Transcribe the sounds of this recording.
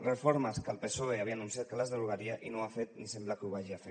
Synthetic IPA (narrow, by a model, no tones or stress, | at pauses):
rəfoɾməskəlˠpesoeaβianunsijat̪kələzðəluɣaɾiaʔinoafet̪nisemblakuβaʒiafe